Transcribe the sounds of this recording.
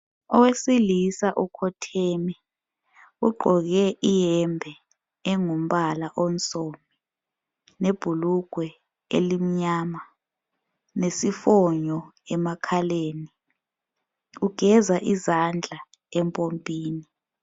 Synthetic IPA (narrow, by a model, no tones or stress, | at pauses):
ɔwesilisaʔukʰɔtʰɛːmɛ | uɡ͡ǃʱɔk̬ɛʔijɛmbʱɛː | ŋum̩ɓalaʔɔnt͡sʼomi | neb̥ʱuluɡ̥ʱwɛ | ḛlim̩ɲaːma | nesifɔɲɔɛmakʰaleːni | uɡ̥ʱɛzaʔizand͡ɮʱa | ɛmpʼompʼiːni